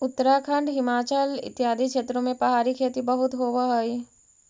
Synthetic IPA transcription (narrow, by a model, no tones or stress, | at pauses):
ʊt̪ːəɾakʰə̃ɳɖɦɪmaːt͡ʃəlɪ̰t̪jaːd̪ʱikʰʃeːt̪ɾõmẽpɾɐɦaːɾikʰeːt̪ibɐɦʊt̪ɦoːʋaɦoi